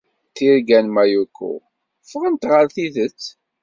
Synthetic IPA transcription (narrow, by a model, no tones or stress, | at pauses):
θiɾɡænmæjukːṵ | fʁənt̪ʁəɾθiðət͡sː